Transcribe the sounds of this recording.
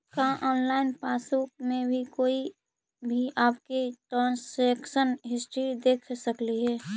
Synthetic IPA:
kãʔɔːnlaːɪnpaːsukmẽbʱikoːi | bʱiʔaːpkiʈɾãːnsekʃənɦɪsʈɾid̪eːkʰsəkliɦɛː

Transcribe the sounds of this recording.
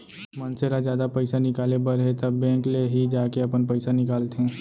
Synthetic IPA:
mɐnseɾad͡ʒjaːd̪apəɪsanɪkaːlebəɾɦɛt̪ɐbːɛ̃ːkleɦid͡ʒaːkeɐpənpəɪsanɪkaːlt̪ɦɛ̃ː

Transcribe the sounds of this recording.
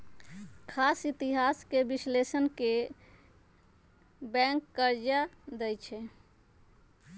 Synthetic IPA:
kʰasit̪iɦaskebislesənke | bɛ̃ŋkːəɾd͡ʒad̪əjt͡ʃʰɛ

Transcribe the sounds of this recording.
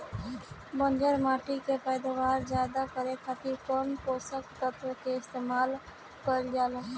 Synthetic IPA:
bənd͡ʒəɾmaːʈikepəjd̪aʋaːɾd͡ʒad̪akəɾekʰaːt̪iɾkɔnkosəkt̪ət̪əkeɪst̪eːmaːl | kəɾd͡ʒaːl

